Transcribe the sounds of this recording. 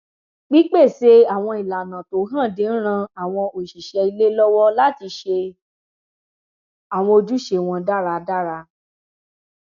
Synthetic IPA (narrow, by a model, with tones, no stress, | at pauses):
ɡ͡bi˦k͡pe˦˨se˧a˨w̃ɔ̃˧i˨la˨nã˨to˨˦ɦã˦˨de˨˦n̩˦ɾ̃ã˧a˨w̃ɔ̃˧o˨ʃi˨ʃɛ˧i˧le˦lɔ˦wɔ˦la˦ti˧ʃe˧ | a˨w̃ɔ̃˧o˧d͡ʒu˦ʃe˧w̃ɔ̃˧da˦ɾa˧da˦ɾa˧